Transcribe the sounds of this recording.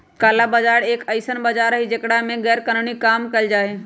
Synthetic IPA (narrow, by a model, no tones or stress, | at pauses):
kaːlabɐd͡ʒaːɾeːkəɪsənbɐd͡ʒaːɾɦid͡ʒeːkɽamẽɡɛːɾkənəɳ̃ikaːmkɐld͡ʒaːɦe